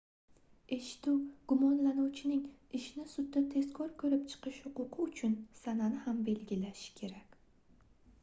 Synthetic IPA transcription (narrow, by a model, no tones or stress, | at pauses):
e̞ʃɪ̥t̪uwɡ̥ʊmɒnlanuwt͡ʃʰɪnɪŋɪʃnɪsʊd̪ːat̪ʰe̞zkʰɒɾkʰɵɾɪp̚t͡ʃʰɨ̥qɨʃhʊqʊqʰɨʊt͡ʃʰʊnsananɪhambe̞lɡʲɪlaʃɪ̥kʲʰe̞ɾakʲ